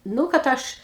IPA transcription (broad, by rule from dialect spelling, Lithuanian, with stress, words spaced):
ˈnʊ kɐt ˈɐʃ